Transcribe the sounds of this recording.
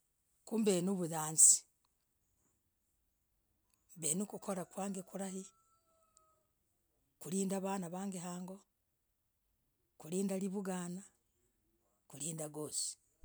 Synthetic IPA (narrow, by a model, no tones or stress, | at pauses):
kuːmbeːnuβuðaːnsi̥ | mbenukukʰo̞ɾakwaːŋɡekuɾahi | kuɾiːndaβaːnaβaːŋɡeɦaːŋɡo̞ | kuliːndaliβuɡaːna | kuliːndaɡoːsi̥